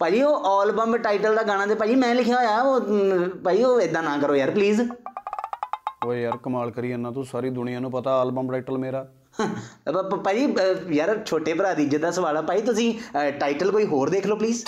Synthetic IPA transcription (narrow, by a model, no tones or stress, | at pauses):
paːd͡ʒiːoːʔaːlbəmbʈaːɪʈəld̪aːɡaːñaːt̪eːpaːd͡ʒiːmɛ̃ːlɪkʰjaːɦoːjaːoːpaːiːoːɪd̪ːãːnãːkəɾoːjəɾpliːz | oːjəɾkəmaːlkəɾiːənãːt̪õːsaːɾiːd̪ʊnɪjãːnũːpət̪aːlbəmbʈaːiːʈəlmeːɾaː | paːd͡ʒiːjəɾt͡ʃʰoːʈeːpəɾaːd̪iːd͡ʒət̪d̪aːsəʋaːlaːpaːiːt̪ʊsĩːʈaːɪʈəlkoːiːɦoːɾd̪eːkʰloːpliːz